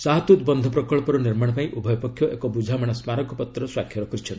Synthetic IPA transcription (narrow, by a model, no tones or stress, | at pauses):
saɦt̪ut̪bɔnd̪ʱɔpɾɔkɔɭpɔɾɔniɾmaɽ̃ɔpaiʔubʱɔjɔpɔkʰːjɔʔḛkɔbud͡ʒʱamaɽ̃ɔsmaɾɔkɔpɔt̪ɾɔswakʰjɔɾɔkɔɾit͡ʃʰɔn